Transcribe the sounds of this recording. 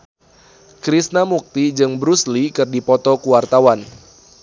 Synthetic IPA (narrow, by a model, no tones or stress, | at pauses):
kɾisnamuk̚t̪id͡ʒɨŋbɾuslikɨrdipɔt̪ɔkuwart̪awan